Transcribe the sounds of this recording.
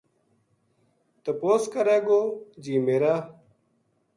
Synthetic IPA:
t̪ɐpoːskəɾaːɡoːd͡ʑiːmeːɾaː

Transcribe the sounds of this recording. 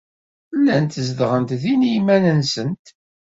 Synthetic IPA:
lːænt̪zd̪ʁənt̪ðinijmænənsənt̪

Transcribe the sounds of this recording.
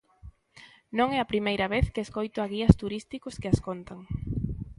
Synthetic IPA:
nõŋɛɐpɾimejɾɐβeθkeeskojt̪oɐɣiɐst̪uɾist̪ikoskɪaskont̪aŋ

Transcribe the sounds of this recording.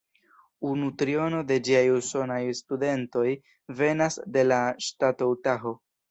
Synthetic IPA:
unutɾio̞no̞de̞d͡ʒiajuso̞najstude̞nto̞j | ve̞nasde̞laʃtatowtaɦo̞

